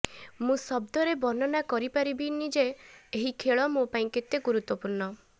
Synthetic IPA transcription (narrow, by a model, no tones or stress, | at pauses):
mũsɔbd̪ɔɾebɔnɔnakɔɾipaɾibinid͡ʒeːɦikʰeɭɔmõpaĩket̪ːjeɡuɾut̪wɔpuɾnɔ